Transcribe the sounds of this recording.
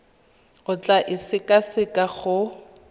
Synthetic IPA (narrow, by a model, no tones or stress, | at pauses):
ʊt͡ɬʼaʔɪsɪkʼasɪkʼaχʊ